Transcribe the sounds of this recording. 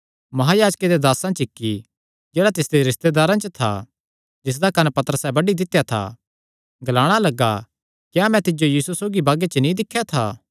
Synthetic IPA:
mɐɦaːjaːd͡ʒked̪ed̪aːsãt͡ʃɪkːi | d͡ʒɛːɽat̪ɪsd̪eɾɪst̪ed̪aːɾãt͡ʃət̪ʰa̰ | d͡ʒɪs̬d̪akɐnpɐt̪əɾəsɛbɐɖid̪ɪt̪ːjat̪ʰa̰ | ɡɐlaːɽ̃alɐɡːa̰ | kjamɛ̃t̪ɪd͡ʒojiːsusoːɡibaːɡet͡ʃənĩd̪ɪkʰːjat̪ʰaː

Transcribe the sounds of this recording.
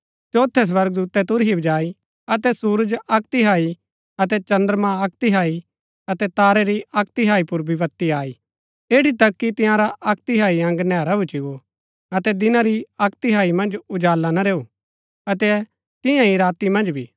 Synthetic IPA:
t͡ʃoːt̪ʰːɛs̬ʋɐɾɡ̚d̪uːt̪ɛt̪ʊɾɦibɐd͡ʒaːi | ɐt̪ɛsuːɾəd͡ʒɐk̚t̪iɦaːi | ɐt̪ɛt͡ʃɐ̃nd̪əɾmãɐk̚t̪iɦaːi | ɐt̪ɛt̪aːɾɛɾiɐk̚t̪ɪɦaːipʊɾbiʋɐt̪ːiaːi | eːɽit̪ɐkːit̪ɪ̃jãɾaʔɐk̚t̪iɦaːiɐ̃ŋɡnɛːɾabʊt͡ʃɪɡo | ɐt̪ɛd̪ɪnãɾiɐk̚t̪ɪɦaːimɐ̃nd͡ʒʊd͡ʒaːlːanaɾeːuː | ɐt̪ɛ | t̪ɪ̃jãiɾaːt̪imɐ̃nd͡ʒbʱiː

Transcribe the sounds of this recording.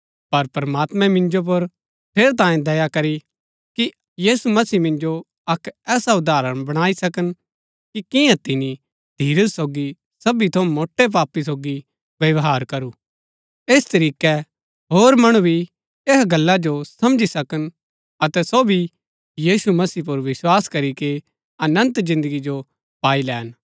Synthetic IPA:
pɐɾpɾɐmaːt̪mɛ̃mɪ̃nd͡ʒop̬ɐɾ | pʰeːɾt̪ãːĩd̪ɐjakɐɾi | ki | jiːsumɐsiːmɪ̃nd͡ʒo | ɐkɛːsaʊd̪aːɾəɽ̃bɐɽ̃aːisɐkən | kikɪ̃jãt̪ɪni | d̪̥ʱiːɾəsoːɡi | sɐbit̪ʰomoːʈːep̬aːpːis̬oːɡi | ʋjɐʋɦaːɾkɐɾu | eːst̪ɐɾiːkɛ | ɦoːɾmɐɽ̃ubʱi | eɦɡɐlːad͡ʒosɐ̃md͡ʒisɐkən | ɐt̪ɛsoːbʱi | jiːsumɐsiːp̬ʊɾʋɪswaːskɐɾike | ɐnə̃nt̪zɪ̃nd̪əɡid͡ʒo | paːilɛːn

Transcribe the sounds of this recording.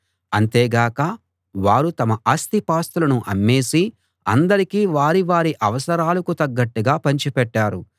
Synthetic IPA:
ɐnt̪eːɡaːkɐ | ʋaːɾut̪ɐmɐʔɐst̪ipaːst̪ulɐnuʔɐ̰mːe̞ːsi | ɐ̰nd̪ɐɾikiːʋaːɾiʋaːɾiʔɐʋɐsɐɾaːlɐkut̪ɐɡːɐʈːuɡaːpɐɲt͡ʃipɛʈːaːɾu

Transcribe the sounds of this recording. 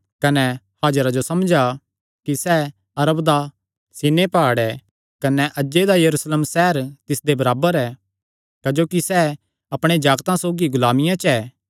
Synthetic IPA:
kɐnɛ | haːd͡ʒɾad͡ʒosɐmd͡ʒa | kisɛ | ɐɾəbd̪a | sinepaːɽɛ | kɐnɛʔɐd͡ʒd͡ʒed̪ajɐɾuːsleːmsɛɦəɾt̪ɪsd̪ebɐɾaːbəɾɛː | kɐd͡ʒoːkisɛ | ɐpɽ̃ed͡ʒaːɡt̪ãsoːɡiɡʊlaːmɪjãt͡ʃɛː

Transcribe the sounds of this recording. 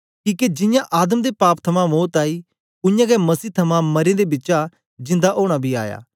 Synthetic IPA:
kiːked͡ʒɪ̃jãʔaːd̪əmd̪epaːpt̪ʰɐmãmoːt̪aːiː | ʊjãːɡɛmɐsiːt̪ʰɐmãmɐɾẽd̪ebɪtːt͡ʃa | d͡ʒɪ̃nd̪aʔoːɽ̃abʱiːa̰ːja̰ː

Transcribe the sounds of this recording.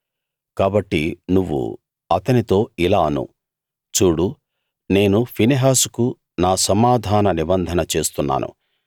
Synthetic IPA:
kaːbɐʈːinuʋːṵ | ɐt̪ɐnit̪o̞ːilaːɐnṵ | t͡ʃuːɽu | ne̞ːnupʰiniɦaːsu̥ku | naːsɐmaːd̪ʱaːnɐnibɐnd̪ʱɐnɐt͡ʃe̞ːst̪unːa̰ːnʔṵ

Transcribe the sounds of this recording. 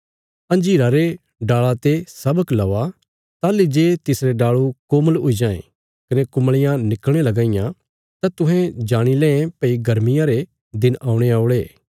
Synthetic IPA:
ɐ̃nd͡ʒiːɾaɾe | ɖaːɭat̪esɐbəklɐːa | t̪aːlid͡ʒeːt̪ɪsɾeɖaːɭukoːməlɦʊid͡ʒãːḛ̃ | kɐnekʊmɭɪjãnɪkelɐɡãːɪjã | t̪at̪ʊ̃ɦɛ̃d͡ʒaːɽ̃ilɛ̃ːẽpɐiɡʱɐɾmɪjãɾe | d̪ɪnʔaːũɽ̃eaːʊɽeː

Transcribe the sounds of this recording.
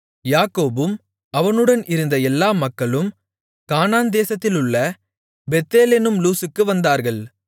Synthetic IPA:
jaːkoːbɯm | ɐʋɐnɯɽɐnɪɾɯnd̪ɐɛlːaːmɐkːɐɭɯm | kaːnaːnd̪eːsɐt̪ːɪlɯɭːɐ | bɛt̪ːeːleːnɯmluːsɯkːɯʋɐnd̪aːɾɣɐɭ

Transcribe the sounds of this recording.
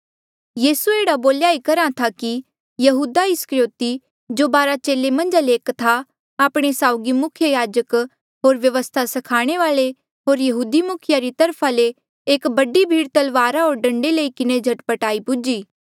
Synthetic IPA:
jiːsueːɽaboːljaːikɐɾat̪ʰaki | jɐɦuːd̪aɪskɾjoːt̪i | d͡ʒoːbaːɾat͡ʃeːlemɐ̃nd͡ʒaleːkt̪ʰa | aːpɽ̃esaːʊɡimʊkʰjəjaːd͡ʒək | ɦoːɾʋjɐʋəst̪ʰasɐkʰaːɽ̃eʋaːɭe | ɦoːɾjɐɦuːd̪imʊkʰjaɾit̪ɐɾpʰale | eːkbɐɖibʱiːɽt̪ɐlʋaːɾaɦoːɾɖɐ̃ɳɖeləikɪned͡ʒʱɐʈpəʈaːipʊd͡ʒiː

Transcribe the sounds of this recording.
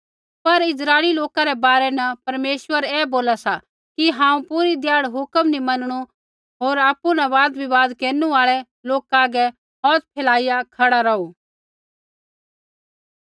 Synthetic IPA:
pɐɾɪzɾaːeliloːkãɾɛbaːɾɛnɐpɐɾmeːʃwəɾɛːboːlasa | kiɦãːũpuɾid̪ɪjaːɽɦʊkəmnimɐnɽ̃u | ɦoːɾaːpːunɐʋaːd̪bʱiʋaːd̪keːnũaːɭɛ | loːkaɡɛ | ɦɔːt̪̚pʰeːlaːɪjakʰɐɽaɾɐuː

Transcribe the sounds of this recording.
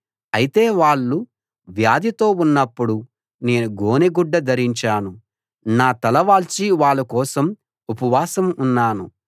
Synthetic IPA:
ɐjit̪e̞ːʋaːɭːu | ʋjaːd̪it̪o̞ːunːɐpːuɽu | ne̞ːnuɡoːneɡuɖːɐd̪ɐɾiɲt͡ʃaːnu | naːt̪ɐlɐʋaːlt͡ʃiʋaːɭːukɔːsɐm | upɐʋaːsɐmunːaːnu

